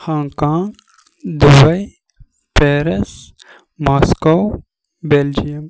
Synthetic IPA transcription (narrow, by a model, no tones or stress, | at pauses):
xaːŋkaːŋɡ | d̪ubɐj | peːɾɐs | maːskaw | beld͡ʒijɐm